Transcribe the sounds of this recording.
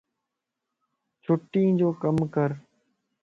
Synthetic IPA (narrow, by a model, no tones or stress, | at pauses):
t͡ʃʰʊʈːĩːd͡ʒoːkəmkəɾ